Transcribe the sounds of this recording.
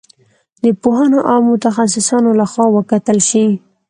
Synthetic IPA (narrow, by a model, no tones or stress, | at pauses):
d̪əpohanoʔɑmʊt̪axas̬ɪsɑnolaxwɑwəkat̪əlʃi